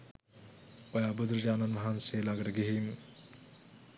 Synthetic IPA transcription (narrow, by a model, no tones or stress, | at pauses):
ojabud̪ɾd͡ʒaːnɐnmɐɦanseːlaɡɐʈɐɡiɦim